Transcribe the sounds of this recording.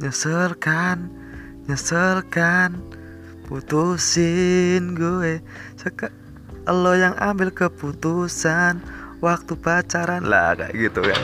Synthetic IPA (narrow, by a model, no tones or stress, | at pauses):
ɲəsərlkan | ɲəsəlkan | put̪usɪnɡuɛ | səka | əlojaŋa̰mbɪlkəput̪usanwak̚t̪upat͡ʃaɾanla̰ka̰ʔɡit̪uka̰n